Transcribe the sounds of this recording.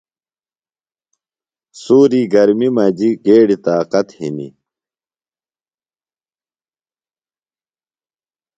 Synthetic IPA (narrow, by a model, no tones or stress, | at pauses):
suːɾiːɡɐɾmimɐd͡ʑiɡeːɽit̪aːqɐt̪hinḭ